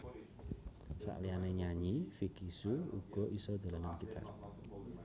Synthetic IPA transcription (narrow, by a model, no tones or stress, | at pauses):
sa̰ʔlianeɲaɲifikisuṵɡ̥ɔ̤ʔisɔd̪̥a̤lananɡit̪ʰa̰r